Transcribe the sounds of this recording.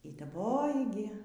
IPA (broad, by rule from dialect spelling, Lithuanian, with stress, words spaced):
iː dɐˈboːjɪ ɡʲɪ